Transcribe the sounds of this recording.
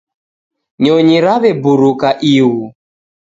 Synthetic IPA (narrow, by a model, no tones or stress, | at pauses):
ɲɔɲiɾaβɛbuɾukaʔiwu